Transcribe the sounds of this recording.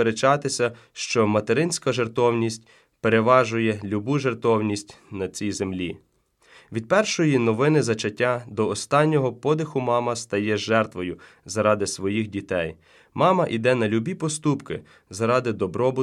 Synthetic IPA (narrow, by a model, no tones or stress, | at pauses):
eɾet͡ʃɑt̪ɪsʲɐ | ʃt͡ʃɔmɐt̪eɾɪnʲsʲkɐʒert̪ɔwnʲisʲtʲ | peɾeʋɑʒʊjɛlʲubuʒert̪ɔwnʲisʲtʲ | nɐt͡sʲijzemlʲi | ʋʲid̪̚pɛrʃɔjinɔʋɪnɪzɐt͡ʃɐtʲːad̪ɔːst̪ɑnʲːɔɦɔpɔd̪ɪxʊmɑmɐst̪ɐjɛʒɛrt̪ʋɔjʊ | zɐɾɑd̪ɪsʋɔjixdʲit̪ɛj | mɑmɐʔid̪ɛnɐlʲubʲipɔst̪upkɪ | zɐɾɑd̪ɪd̪ɔbɾɔbʊ